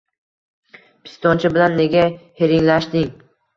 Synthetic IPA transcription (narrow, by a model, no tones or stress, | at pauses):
pʰɪ̥st̪ɒnt͡ʃʰɪbɪlanːe̞ɡʲaheɾɪŋlaʃt̪ɪŋ